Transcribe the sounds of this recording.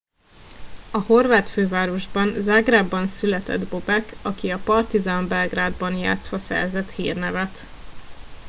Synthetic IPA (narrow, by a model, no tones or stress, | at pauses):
ɒho̞rvaːt̪føːvaːɾo̞ʒbɒnzaːɡraːbːɒnsylɛt̪ɛ̰d̪bo̞bɛkɒkiɒpɒrt̪izambɛlɡraːd̪bɒnja̰ːt̪sʋɒsɛ̰rzɛt̪hḭːrnɛvɛt̪